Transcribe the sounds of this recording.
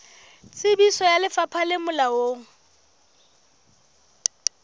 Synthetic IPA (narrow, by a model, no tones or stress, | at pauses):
t͡sʼɪbisɔjalɪfapʰalɪmʊlaoːŋ̩